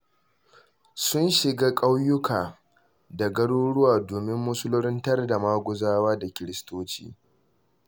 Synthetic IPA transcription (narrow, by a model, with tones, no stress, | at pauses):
sʊ˦nʃɪ˨ɡaː˦kʼa˦wjʊ˦kʰaː˨ | da˨ɡɐ˦ɽoː˦ɽʊ˦waː˨doː˨mɪ˦mːʊ˦sʊ˦lʊ˦ɾɪ˦ntɐ˦rda˨maː˦ɡʷʊ˨zaː˦waː˦da˨kʲɪ˨ɾɪ˦stoː˦t͡ʃḭː˦